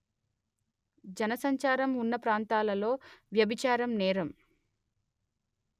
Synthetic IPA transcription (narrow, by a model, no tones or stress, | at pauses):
d͡ʒɐnɐsɐɲt͡ʃaːɾɐmunːɐpɾaːnt̪aːlɐlo̞ːʋjɐbit͡ʃaːɾɐmnɛːɾɐm